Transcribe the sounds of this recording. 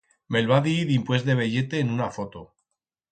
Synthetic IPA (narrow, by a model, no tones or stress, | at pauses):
me̞lβaðiiðimpwe̞zðe̞β̞e̞ʝe̞t̪e̞ːnunafo̞t̪o